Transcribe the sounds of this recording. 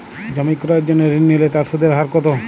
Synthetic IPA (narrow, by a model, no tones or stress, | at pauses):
d͡ʑɔmikɾɔeɾd͡ʑonːeɾinːilet̪aɾsud̪ʱeɾɦaɾkɔt̪o